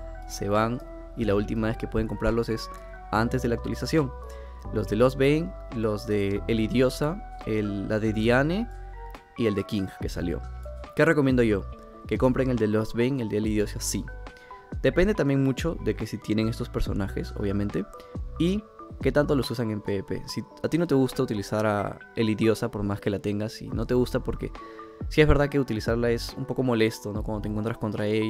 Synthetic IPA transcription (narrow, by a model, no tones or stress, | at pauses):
se̞̰βaŋ | ilault̪imaβe̞skepwe̞ð̞e̞ŋko̞mpɾaɾlo̞se̞s | ant̪e̞zðelakt̪wa̰lisasjo̞ŋ | lo̞zðe̞losβejŋ | lozðeːliðjo̞saelːaðeðiane | ie̞ld̪e̞kiŋxke̞sa̰ljo̞̰ke̞re̞komjend̪o̞ʝo̞ | ke̞ko̞mpɾeŋe̞ld̪e̞lozβejŋeld̪eliðjo̞sasi | d̪̥e̞pend̪e̞t̪ambje̞ŋmut͡ʃo̞ðe̞ke̞sit̪je̞ne̞ŋe̞st̪o̞spe̞ɾso̞̰naxe̞̰so̞̰βjamẽ̞nt̪e̞ike̞t̪ant̪o̞lo̞susaŋe̞mpepe̞̰si | at̪inot̪e̞ɣ̞ust̪aut̪ilisaɾa̰ | eliðjo̞sapo̞ɾmaske̞lat̪e̞ŋɡasḭno̞t̪e̞ɣ̞ust̪apo̞ɾke̞̰sie̞zβe̞ɾðake̞ut̪ilisaɾlae̞sṵmpo̞ko̞mo̞le̞st̪o̞no̞kwond̪ot̪eŋkwent̪ɾasko̞nt̪ɾae